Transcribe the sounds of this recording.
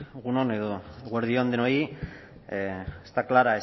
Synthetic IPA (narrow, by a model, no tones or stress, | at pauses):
ɣunone̞ðoɣwaɾðioand̪enoji | st̪aklaɾae